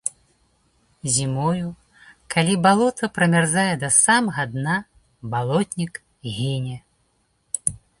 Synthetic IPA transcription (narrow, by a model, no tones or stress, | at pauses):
zʲimɔju | kʰalʲibalˠɔt̪ʰɐpɾɐmʲarzajɛd̪ɐsamɐɣɐd̪na | balˠɔt̪ʲnʲik | ɣʲinʲɛ